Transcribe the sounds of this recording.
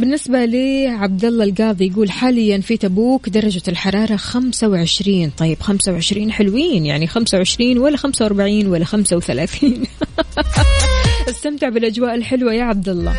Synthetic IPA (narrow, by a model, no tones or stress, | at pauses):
bɪnːɪsbaliːʕab̚d̪ɑlˤːɑlɡɑːðˤijaɡuːlħaːlɪjːanfit̪abuːkd̪ɑɾˤːɑd͡ʒaɪlħɑɾˤɑːɾˤɑxamsawʕɪʃɾiːnt̪ˤɑjːɪb̥xamsawʕɪʃɾiːnħɪlwiːnjaʕnixamsawʕɪʃɾiːnwalːaxamsawʔɑɾˤbaʕiːnwalːaxamsawθalaːθiːn | ʔɪst̪amt̪ɪʕbɪlʔad͡ʒwaːʔɪlħɪlwajaʕab̚d̪ɑlˤːɑ̰